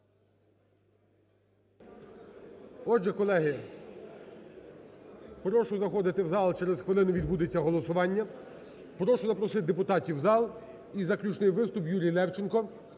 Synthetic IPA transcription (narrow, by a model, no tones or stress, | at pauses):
ɔʒɛkɔlˠɛɦɪ | pɾɔʃɔzɐxɔd̪ɪt̪ɪwzɑlˠt͡ʃɛɾɛzxʋɪlˠɪnʊʋʲid̪̚bud̪et͡sʲːɐɦɔlˠɔsʊʋɑnʲːɐ | pɾɔʃɔzɐpɾɔsɪt̪̚ʲd̪epʊt̪ɑtʲiwzɑlˠ | izɐklʲut͡ʃnɪjʋɪst̪ʊpjuɾʲijlˠɛwt͡ʃɪnkɔ